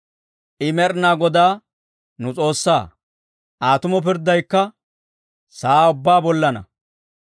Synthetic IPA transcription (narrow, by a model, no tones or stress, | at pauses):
ʔɪmɛɾnaːɡɔd̪aː | nʊt͡sʼo̞ːsːa̰ː | ʔaːt̪ʊmɔp̬ɪɾd̪ːɐjkːɐ | saːʊbːaːbɔlːɐnɐ̰